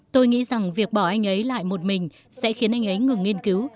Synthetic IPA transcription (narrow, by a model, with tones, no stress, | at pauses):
t̪o˧jŋḭ˧˥za˨˩ŋvi˨˩ək̚ɓɔ˧˩ʔa˧jŋ̟ʔə˨˦jla̰ː˧˨jmo˨˩t̚mï˨˩ŋ̟ | sɛ̰˧˥xi˨˦ənʔa˧jŋ̟ʔə˨˦jŋɨ˨˩ŋːi˧ənki˨˦w